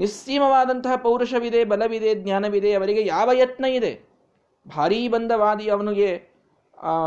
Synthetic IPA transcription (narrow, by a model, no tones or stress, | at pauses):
nist͡ʃiːmɐʋaːd̪ɐnt̪ɐɦɐpɐwɾuʂɐʋid̪ebɐlɐʋid̪ed̪njaːnɐʋid̪eɐʋɐɾiɡejaːʋɐjɐt̪nɐid̪e | bʱaːɾiːbɐnd̪ʱɐʋaːd̪iɐʋɐnuɡe